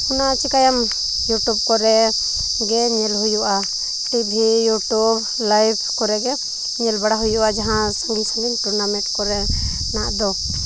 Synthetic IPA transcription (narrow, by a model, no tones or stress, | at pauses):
unat͡ʃikajam | juʈub̚kɔɾɛ | ɡɛɲɛlɦujuʔa | tib̪ʱijuʈub | lajbʰkɔɾɛɡɛ | ɲɛlbaɽaɦujuʔad͡ʒaɦãsulsuɡinʈɾɔnamɛ̃ʈkɔɾɛ | naʔd̪ɔ